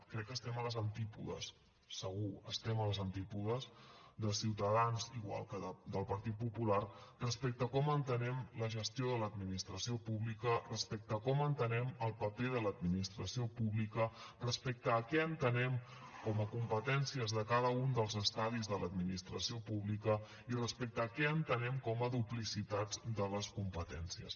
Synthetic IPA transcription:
kɾɛkːəst̪ɛmələzənt̪ipuðə̰sː | əɣ̞uə̰st̪ɛmələzənt̪ipuðəzd̪əsiwt̪əðanziɣwa̰lˠkəðəd̪əlˠpəɾt̪it̪̚pupularrəspɛk̚t̪əkɔmənt̪ənɛmləʒəst̪ioðələd̪minist̪ɾəsiopuβlikərəspɛk̚t̪əkɔmənt̪ənɛməlˠpəpeðələd̪minist̪ɾəsiopuβlikə | rəspɛk̚t̪əːkɛənt̪ənɛm | kɔməkumpət̪ɛnsiəzðəkaðəund̪əlˠzəst̪aðizðələd̪minist̪ɾəsiopuβlikə | irəspɛk̚t̪əːkɛənt̪ənɛmkɔməðuplisit̪ad͡zd̪ələskumpət̪ɛnsiə̰s

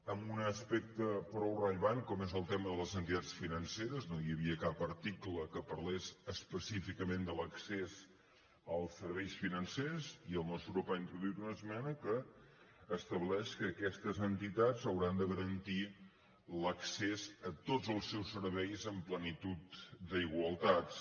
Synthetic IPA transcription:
əmbunəspɛk̚t̪əpɾɔwrəʎəβankɔmezəlˠt̪ɛməðələzənt̪it̪at͡ssfinənseɾəznojəβiəkapəɾt̪ikləkəpəɾlezəspəsifikəmẽnd̪ələksez | əlˠsəɾβɛjsfinənseziəlˠnɔst̪ɾɔpaint̪ɾuðuit̪unəzmɛnəkəː | st̪əβlɛʃkəːkɛst̪əzənt̪it̪azəwɾand̪əɣəɾənt̪i | ləksezət̪od͡zəlˠsɛwsəɾβɛjzəmplənit̪ut̪d̪əiɣwəlˠt̪at̪

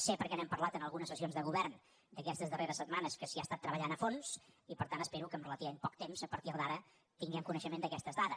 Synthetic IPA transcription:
sepəɾkɛnɛmpəɾlat̪ənəlˠɣunəsəsionzðəɣuβɛrn | d̪əkɛst̪əzðəreɾəsːət̪̚manəskəsiast̪at̪ːɾəβəʎanəfonsipəɾt̪anəspeɾukəːmrələt̪iβəmempɔk̚t̪emzəpəɾt̪iɾðaɾə | t̪iŋɡɛmkunəʃəmend̪əkɛst̪əzðaðə

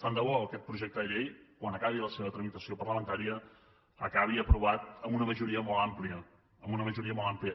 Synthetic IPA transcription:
st̪and̪əβɔəkɛt̪̚pɾuʒɛk̚t̪əðəʎejkwanəkaβ̞iləseβət̪ɾəmit̪əsiopərləmənt̪aɾiə | əkaβ̞iəpɾuβat̪əmbunəməʒuɾiəmɔlˠampliə | əmbunəməʒuɾiəmɔlˠampliə

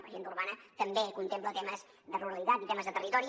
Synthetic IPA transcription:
pʒient̪uɾβanət̪əmbekunt̪emplət̪eməz | ðəruɾəlit̪at̪it̪eməzðət̪ərit̪ɔɾi

